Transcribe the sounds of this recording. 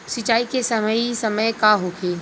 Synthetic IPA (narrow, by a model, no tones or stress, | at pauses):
sɪt͡ʃaːikesɐməisɐməjkaɦoːkʰeː